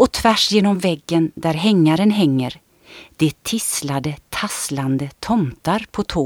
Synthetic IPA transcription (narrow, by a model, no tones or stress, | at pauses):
ʔɔt̪ʰvæʂjeːnɔmvɛɡːənd̪æɾɦɛŋːaɾənɦɛŋːəɾ | d̪̥ɛt̪ʰɪslad̪ət̪ʰasland̪ət̪ʰɔmt̪aɾpʰɔt̪ʰoː